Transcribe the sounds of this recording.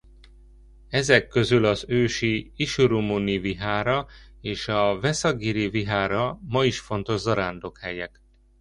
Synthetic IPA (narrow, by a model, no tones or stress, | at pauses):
ɛzɛkːø̞zylɒzøːʃiiʃuɾumuniviɦaːɾɒeːʃɒvɛsɒɡiɾiviɦaːɾɒmɒiʃfo̞nt̪o̞ʒzɒɾaːnd̪o̞khɛjɛk